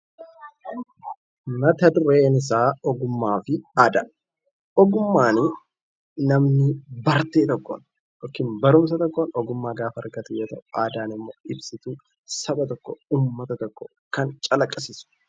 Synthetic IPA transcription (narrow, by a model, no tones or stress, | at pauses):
mɐt̪ɐd̪ʊɾeːnɪs̬aːɔɡʊmːaːfɪaːd̪ɐ | ɔɡʊmːaːnɪ | nɐmnɪbɐɾt̪eːt̪ɔkːo̰n | jɔkːɪnbɐɾʊmsɐt̪ɔkːoːnɔɡʊmːaːɡaːfɐɐɾɡɐt̪ʊjoːt̪ɐʔʊaːd̪aːnɪmːoːɪbsɪt̪uː | sɐbɐt̪ɔkːɔuːmːɐt̪ɐt̪ɔkːɔ | kɐnt͡ʃʼɐlɐkʼːɐsɪsʊ̥